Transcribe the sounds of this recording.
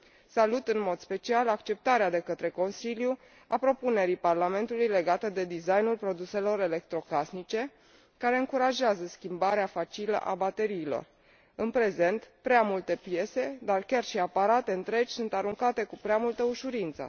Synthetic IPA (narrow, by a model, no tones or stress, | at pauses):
salut̪ɨnmo̞d̪spe̞t͡ʃialakt͡ʃe̞p̚t̪aɾead̪e̞kət̪ɾe̞ko̞nsilju | apɾo̞pune̞ɾiparlame̞nt̪ulujle̞ɡat̪əd̪e̞d̪izajnulpɾo̞d̪use̞lo̞ɾe̞le̞k̚t̪ɾo̞kasnit͡ʃe̞ | kaɾe̞ɨŋkuɾaʒeazəskʲimbaɾeafat͡ʃilə̰ʔa̰bat̪e̞ɾiːlo̞̰r | ɨnpɾe̞ze̞nt̪pɾeamult̪e̞pje̞se̞d̪arkʲarʃiapaɾat̪e̞ɨnt̪ɾe̞d͡ʒʲsunt̪aɾuŋkat̪e̞kupɾeamult̪əuʃuɾint̪sə̰